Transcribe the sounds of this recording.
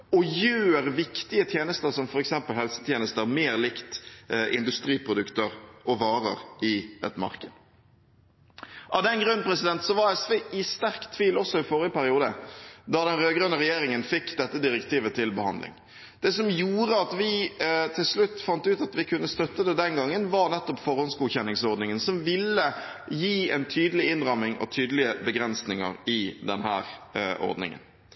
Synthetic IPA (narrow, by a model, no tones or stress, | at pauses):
ɔjøːɾʋɪkt̪ɪət̪ʰjeːnəst̪əɾsɔmfɔɾɛksɛmpəlhɛlsə̥t̪ʰjeːnəst̪əɾmeːɾlɪkt̪ʔɪ̰nd̪ʉst̪ɾiːpʰɾʊd̪ʉkt̪əɾʔɔʋɑːɾə̰ɾɪɛ̰t̪mɑ̰ʁkəd̪̥ | ʔɑʋd̪ɛnɡɾʉnːpʰɾɛsɪd̪ɛnt̪sɔʋɑɛsʋeːʔɪst̪æʁkt̪ʰʋiːlɔsːɔɪfɔːɾɪəpæɾɪuːd̪əd̪ɑd̪ɛnɾøːɡɾøːnəɾɛjeːɾɪŋənfɪkːd̪ɛt̪ːəd̪ɪɾɛkt̪iːʋət̪ʰɪlbəhɑ̰nd̪lɪ̰ŋ | d̪̥ɛːsɔmjuːɾəɑt̪ʋɪt̪ʰɪlslʉt̪ːfɑnt̪əʉːt̪ɑt̪ʋɪkʰʉnːəst̪œt̪ːəd̪ɛd̪ɛnɡɑŋːənʋɑɾnɛt̪ːɔpfɔɾhɔnsɡuːçɛnːɪŋsɔʁd̪nɪŋənsɔmʋɪlːəjiːɛnt̪ʰyːd̪əlɪɪnɾɑmːɪŋʔɔ̰t̪ʰyːd̪əlɪəbəɡɾɛnsnɪŋə̰ɾɪd̪ɛ̰nhæ̰ːɾʔɔ̰ɾd̪nɪ̰ŋə̰n